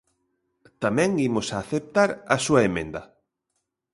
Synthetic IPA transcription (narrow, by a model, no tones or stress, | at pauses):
t̪amɛ̃ŋimʊsaːθep̚t̪aɾɐsuɐemẽnd̪ɐ